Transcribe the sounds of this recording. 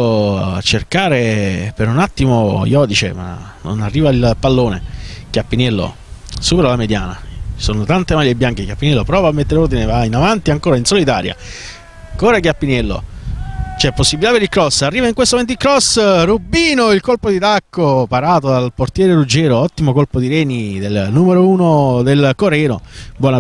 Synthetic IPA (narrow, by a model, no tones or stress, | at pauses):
a̰t͡ʃːerkaːɾepeɾunat̪ːimojɔd̪it͡ʃḛma̰ | no̰narːiːvailpalːoːnḛkjapːinɛlːo̰ | suːpeɾalamed̪jaːna̰soːnot̪ant̪emaʎːjebːjaŋk̟ekjapːinɛlːopɾɔːvamːet̪ːeɾeord̪inevainavant̪iaŋkoːɾainsolit̪aːɾja̰ | koːɾak̬japːinɛlːo̰ | t͡ʃɛpːosːibilit̪apeɾilkɾɔsːarːiːvaiŋkwest̪omɛnt̪ikɾɔsrubiːnoilkolpod̪it̪akʰːopaɾaːt̪od̪alport̪jɛːɾeɾud͡ʒːɛːɾoɔt̪ːimokolpod̪iɾɛːnid̪elnumeɾouːnod̪elkoɾɛːnobwɔna